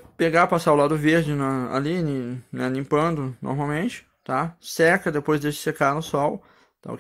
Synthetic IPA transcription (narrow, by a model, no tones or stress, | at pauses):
peɡapasaʊlad̪ʊveɾd͡ʒɪnɐa̰linĩnɛnĩpɐ̃nd̪ʊno̰ɾmawmẽnt͡ʃɪ̥ | t̪asɛkɐd̪epojzd̪esɪ̥sekanʊsɔw | t̪a̰ʊ̰k